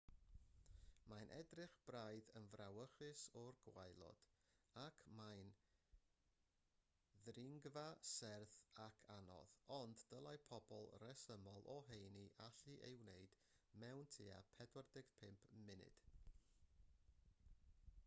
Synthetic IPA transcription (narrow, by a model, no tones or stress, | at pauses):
majnʔɛdrɪχb̥rajðənvrawəχɨsɔrɡ̥wajlˠɔ̰d̥akʰmajn | ðrɪŋɡvasɛrθakʰanɔ̰ðɔnddəlˠajpʰɔbɔlˠrɛsəmɔlˠʔɔɦejniʔaɬiʔejwneɨd̥ | mɛwntʰia̰pʰɛdwərdɪɡ̥pʰɪmpʰmɪnɪ̰d̥